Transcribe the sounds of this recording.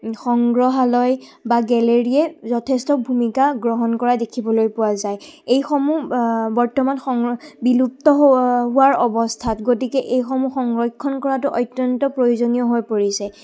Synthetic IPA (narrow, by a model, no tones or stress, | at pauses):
xɔŋɡɹɔɦalɔjbaɡɛleɹiɛzɔtʰɛstɔbʱumikaɡɹɔɦɔnkɔɹadekʰibɔlojpʊwazajejxɔmubɔɹtɔmanxɔŋbilup̚tɔɦɦʊwaɹɔbɔstʰatɡotikɛʔejxɔmuxɔŋɡɹɔjkʰːɔnkɔɹatʊʔɔjtjɔntɔpɹojozonijɔɦojpoɹisɛ